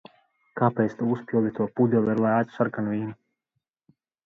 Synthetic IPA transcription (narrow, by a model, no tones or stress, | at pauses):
kaːpeːt̪st̪uuspʲilˠd̪it̪uɔpud̪ʲɛlˠɛɾlˠajaːt̪u̥saɾkanviːnu